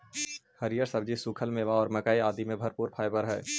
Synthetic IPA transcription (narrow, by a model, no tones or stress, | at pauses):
hɐɾijəɾsɐbd͡ʒisuːkʰəlmẽʋaɔːɾmɐkaːiaːd̪imẽbʱɐɾpuːɾpʰaːɪbəɾɦɛ̰ː